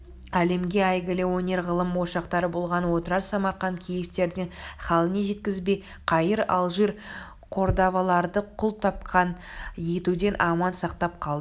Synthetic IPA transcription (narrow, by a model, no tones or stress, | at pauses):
æle̞mɡʲe̞ɑjɡʲɪlɪwo̞ne̞ɾʁəlˠəmwo̞ʃɑqt̪ɑɾəbo̞lˠʁɑnwo̞t̪əɾɑɾsɑmɑɾχɑŋkʲʰejɪpt̪e̞ɾd̪ɪŋχɑlˠəneʒe̞t̪̚kʲɪzbej | qʰɑjəɾɑ̰lˠʒiɾ | qʰo̞ɾd̪ɑvɑlˠɑɾd̪əqʰʊlˠt̪ʰɑpqʰɑnje̞t̪ud̪e̞nʔɑmɑnsɑqt̪ɑp̚qʰɑlˠd̪ə